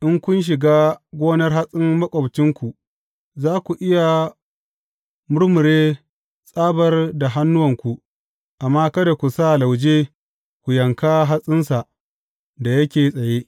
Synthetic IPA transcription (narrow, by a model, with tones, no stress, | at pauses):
ʔɪ˦ŋkʷʊ˦nʃ̬ɪ˨ɡaː˦ɡʷoː˦nɐ˦rɦa˦sʼɪ˦ŋmɐ˦kʷʼɔ˨bt͡ʃɪ˦ŋkʷu˨ | zaː˦kʷu˨ʔɪ˦ja˨ | mʊ˦ɽmʊ˨ɾeː˦ | sʼaː˦bɐ˨rda˨ɦa˦nːʊ˦wɐ˨ŋkʷu˨ʔ | ʔa˨mːaː˦kɐ˦da˨kʷu˨sa˦˨la˨wd͡ʒeː˦ | kʷu˨jɐ˨ŋka˦ɦa˦sʼɪ˦nsa˨ʔ | da˨jɐ˦kʲeː˨sʼɐ˨jeː˦